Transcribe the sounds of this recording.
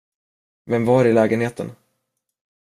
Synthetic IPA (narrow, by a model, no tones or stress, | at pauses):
vɛmvɑɾɪlɛːɡənheːt̪ə̰n